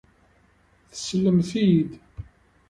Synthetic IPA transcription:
θə̥slːəmθid̪

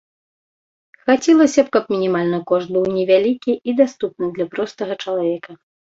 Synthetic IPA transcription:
xat͡sʲɛlˠɐsʲɐpkɐpmʲinʲimalʲnɐkɔʂt̪̚bɨwnʲɛvʲalʲikʲiid̪ast̪up̚nɨd̪lʲɐpɾɔst̪ɐɣɐt͡ʂɐlˠavʲɛkɐ

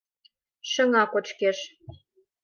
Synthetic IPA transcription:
ʃə̆ŋɑkot͡ɕkeʃ

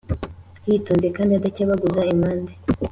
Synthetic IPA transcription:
jiːtoːnze̞kaːndiadacaβaɡuzaimaːnde

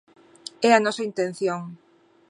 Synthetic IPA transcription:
ɛɐnɔsɐint̪ẽn̟θjoŋ

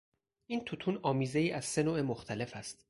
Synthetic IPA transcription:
ʔiːnt̪ʰut̪ʰuːnɒːmiːzejiːʔæz̥se̞noːemoxt̪ʰæle̞fæst̪

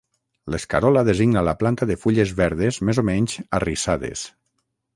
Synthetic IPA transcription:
leskaɾɔlaðeziɡnalaplant̪aðefuʎezβɛɾðezmezomɛɲzarisaðḛs

